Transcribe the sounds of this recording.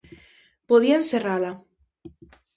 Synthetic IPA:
poðiaenserala

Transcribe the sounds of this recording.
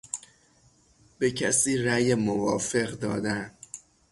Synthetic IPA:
b̥ecʰæsiːræːjemovɒːfe̞ɣd̪ɒ̰ːd̪æn

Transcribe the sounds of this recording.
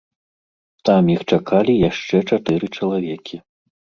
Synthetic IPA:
t̪amjixt͡ʂakʰalʲijaʂt͡ʂɛt͡ʂat̪ɨɾɨt͡ʂɐlˠavʲɛkʲʰi

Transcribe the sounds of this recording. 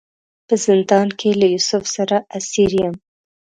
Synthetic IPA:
pəzɪnd̪ɑnkʰelajusʊfsaɾaʔasiɾjəm

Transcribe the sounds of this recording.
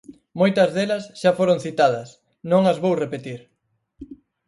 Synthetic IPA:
mojt̪ɐzðelɐsʃafoɾõŋ̟θit̪að̞ɐs | nõŋɐzβowrepet̪iɾ

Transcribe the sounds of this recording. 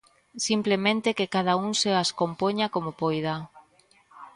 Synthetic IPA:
simplemẽnt̪ekekaðauŋseaskompoɲakomʊpojða

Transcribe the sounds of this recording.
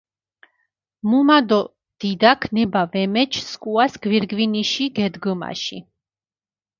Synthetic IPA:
mumad̪ɔ | d̪̥id̪akʰnɛbavɛmɛt͡ʃʰskʼuasɡ̥viɾɡviniʃiɡɛd̪ɡəma̰ʃḭ

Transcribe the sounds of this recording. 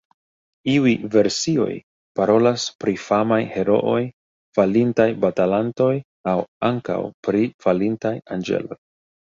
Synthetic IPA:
iujve̞ɾsio̞̰j | paɾo̞laspɾifamajhe̞ɾo̞̰ʔo̞j | falintajbatalanto̞j | awaŋka̰wpɾifalintajand͡ʒe̞̰lo̞̰j

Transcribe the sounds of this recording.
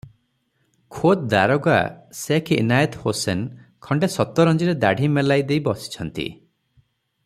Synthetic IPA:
kʰot̪̚d̪aɾɔɡa̰sekʰḭnajɔt̪hosenkʰɔɳɖesɔt̪ɔɾɔnd͡ʒiɾed̪aɽʱimelajd̪ejbɔsi̥t͡ʃʰɔnt̪ḭ

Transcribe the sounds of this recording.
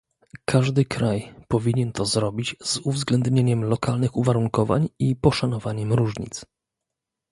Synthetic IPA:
kʰaʐd̪ɘkɾajpɔvʲiɲɛnt̪ʰɔzɾɔbʲit͡ɕz̥uvzɡlɛnd̪ɲeɲɛmlɔkalnɘxuvaɾuŋkɔva̰ɲipɔʂanɔvaɲɛmɾuʐɲḭt̪s

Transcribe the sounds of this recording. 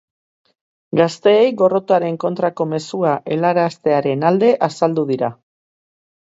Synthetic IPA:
ɡast̪e̞ːjɡo̞ro̞t̪oaɾe̞ŋko̞nt̪ɾako̞me̞suaʔe̞laɾast̪e̞aɾe̞nald̪e̞ʔasald̪uðiɾa

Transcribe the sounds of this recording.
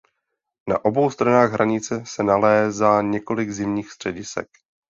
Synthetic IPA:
na̰ʔo̞bo̞wst̪ɾanaːɣɦɾʔaɲɪt͡sɛsɛnalɛːzaːɲɛko̞lɪɡzɪmɲiːxst̪r̝̥ɛɟɪsɛ̰k

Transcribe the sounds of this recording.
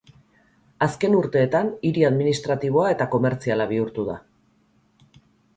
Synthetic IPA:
aske̞nuɾt̪e̞ːt̪aniɾiaðminist̪ɾat̪iβ̞o̞ae̞t̪ako̞me̞ɾt͡sialaβ̞iuɾt̪uða̰

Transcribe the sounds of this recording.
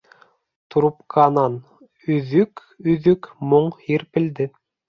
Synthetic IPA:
t̪ɾupqʰɑnɑn | ɵ̆ðɵk | ɵ̆ðɵkmoɴhiɾpɘ̆ld̪ɘ

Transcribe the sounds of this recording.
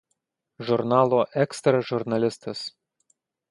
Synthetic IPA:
ʒʊɾnɑːlˠoːʔɛkst̪ɾɐʒʊɾnɐlʲɪst̪ɐs

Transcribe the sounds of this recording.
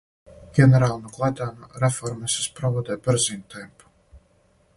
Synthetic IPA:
ɡ̥ʲɛnɛɾaːlˠnuklˠat̪anuɾɛfɔɾmɛsʲispɾɔvɔd̪ɛbʲɨɾzinʲt̪ɛmpu̥

